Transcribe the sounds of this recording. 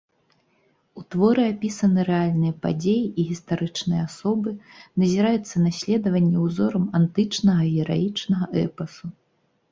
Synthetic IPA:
ut̪vɔɾɨapʲisɐnɨɾɛalʲnɨjɐpa̰d͡zʲejiʔiɣʲist̪aɾɨt͡ʂnɨjɛasɔbɨnɐzʲiɾajut̪sːɐnasʲlʲɛd̪ɐvɐnʲːɛwzɔɾɐmant̪ɨt͡ʂnɐɣɐiɛɾa̰jit͡ʂnɐɣɐʔɛ̰pɐsu

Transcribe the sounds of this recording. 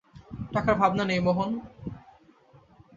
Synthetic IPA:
ʈakaɾbʱabnanejmoɦon

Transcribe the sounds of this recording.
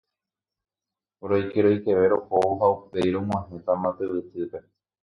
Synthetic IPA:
ɾojkeɾojkeʋe̞ɾohooɦaupejɾõmw̃ãɦẽt̪amãt̪ɨβɨt̪ɨpe̞

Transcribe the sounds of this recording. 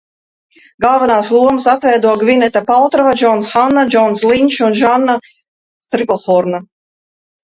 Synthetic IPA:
ɡalˠvanaːslˠuɔmɨsat̪vɛjd̪uɔɡvinɛt̪apalˠt̪ɾɔvad͡ʒɔnsxanːad͡ʒɔnslˠinʲʃunʒanːa | t̪ɾiplˠxɔɾna

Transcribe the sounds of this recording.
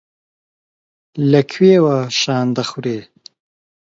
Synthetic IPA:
lakʰweːwaʃɑːnd̪axuɾeː

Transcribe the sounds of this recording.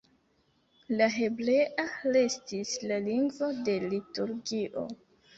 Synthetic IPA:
laɦe̞ble̞ʔale̞stislaliŋɡvo̞de̞lituɾɡiʔo̞̰

